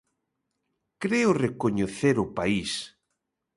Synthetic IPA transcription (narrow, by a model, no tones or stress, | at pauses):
kɾeʊrekoɲeθeɾʊpais